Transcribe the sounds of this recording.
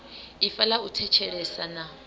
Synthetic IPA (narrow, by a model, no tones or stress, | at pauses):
ifalautʰɛt͡ʃʰɛɺɛsana